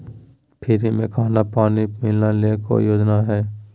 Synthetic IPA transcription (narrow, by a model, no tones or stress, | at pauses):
pʰɪɾimẽkʰaːnapaːnimɪlnaleko̰joːd͡ʒnaɦɛː